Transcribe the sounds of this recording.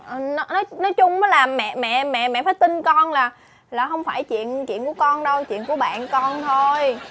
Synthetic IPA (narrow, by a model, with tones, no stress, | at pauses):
ʔə˨˩nɔ˨˦nɔ˨˦jnɔ˨˦jt͡ɕʊ˧ŋ͡mməː˨˦jlaː˨˩mːɛ̰˧˨mɛ̰˧˨mɛ̰˧˨mɛ̰˧˨faː˨˦jt̪i˧nkɔ˧nlaː˨˩ | laː˨˩ɦə˧wŋ͡mfaː˧˩jt͡ɕwḭ˧˨ənt͡ɕḭ˧˨ənku˧˩əkɔ˧nɗə˧wt͡ɕwḭ˧˨ənku˧˩əɓa̰ː˧˨nkɔ˧nt̪ʰo˧j